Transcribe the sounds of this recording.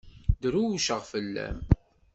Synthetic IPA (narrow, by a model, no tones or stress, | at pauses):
d̪ɾuʃəʁfəlːæ̰m